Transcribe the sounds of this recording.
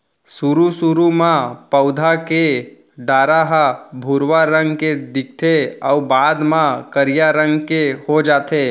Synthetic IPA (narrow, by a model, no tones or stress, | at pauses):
suɾusuɾumãpəʊd̪ʱake | ɖaːɾaɦabʱuɾwaɾə̃ŋɡked̪ɪk̚ʰt̪ʰeɔːbaːd̪mãkəɾijaɾə̃ŋɡkehod͡ʒaːt̪eː